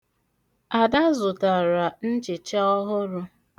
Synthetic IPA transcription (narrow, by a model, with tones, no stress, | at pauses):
a˨da˦zʊ˨ta˨ɾa˨n̩˦t͡ʃɪ˨t͡ʃa˦ɔ˦ɦʊ˦ɾʊ˦